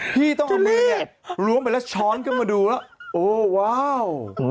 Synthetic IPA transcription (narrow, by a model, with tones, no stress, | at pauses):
pʰiː˥˩t̪ɔ˥˩ŋ˧i˦˥˩t̚ɾu˦˥əmpa˧˩lɛː˦˥˩wt͡ɕʰɔː˦˥nkɯ˥˩maː˧duː˧la˦˥˩ʔoː˧˩waː˥˩w